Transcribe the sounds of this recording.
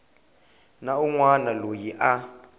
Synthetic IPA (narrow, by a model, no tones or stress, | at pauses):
nauŋwanalojiʔa